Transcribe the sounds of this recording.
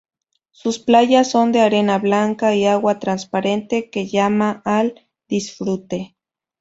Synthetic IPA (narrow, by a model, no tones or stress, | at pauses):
susplajasːond̪eaɾenaβlaŋkaiawat̪ɾanspaɾent̪ekejamaʔːl | d̪̥isfɾut̪e